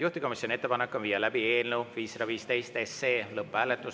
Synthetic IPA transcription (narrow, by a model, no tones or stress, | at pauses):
juht̪i̥ko̞misʲjonie̞t̪ːepɑnekːˑonvijːɑlæbieːlnewviːsrɑviːst̪e̞jst̪esːe̞ːlɤpːˑæːlet̪ːˑus